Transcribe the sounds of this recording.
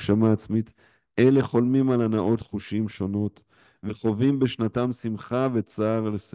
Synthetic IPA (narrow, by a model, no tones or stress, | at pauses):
ʃamaːt͡smit̪ | ʔele̞χo̞lmimalanaʔo̞t̪χuʃimʃo̞no̞t̪ | veχo̞vimbe̞ʃnatamsimχave̞t͡saːʁles